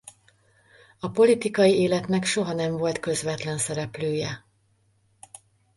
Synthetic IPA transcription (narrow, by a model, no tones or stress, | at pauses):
ɒpo̞lit̪ikɒjieːlɛt̪nɛkʃo̞ɦɒnɛɱvo̞lt̪kø̞zʋɛt̪lɛnsɛɾɛpløːjɛ